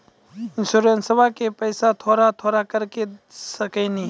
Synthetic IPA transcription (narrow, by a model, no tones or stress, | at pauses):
ɪ̃nsuɾeːnsəbakepɛjsat̪ʰoːɾat̪ʰoːɾakəɾkesəkẽnĩ